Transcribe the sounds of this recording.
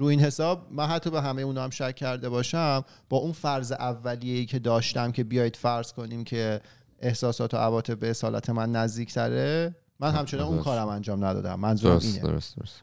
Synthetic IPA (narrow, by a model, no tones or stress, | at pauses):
ɾuːiːnhe̞sɒːb̚mænɦæt̪ʰːɒbe̞ɦæmejeuːnɒæmʃæcʰːæɾd̪e̞bɒːʃæm | b̥ɒːunfæɾzeʔævːælijeiːcʰe̞d̪ɒːʃt̪æmcʰe̞bijɒːjid̪̥fæɾz̥ko̞niːmcʰe̞ | ʔehsɒːsɒːt̪ʰoʔævɒːt̪ʰe̞b̚beːsɒːlæ̰t̪ʰemænːæzd̪iːcʰt̪ʰæɾe | mænɦæmt͡ʃʰenɒːnunkʰɒːɾæmænd͡ʒɒːmnæd̪ɒ̰ːd̪æ̰mːænzuɾiːneo̰ɾo̰so̰ɾos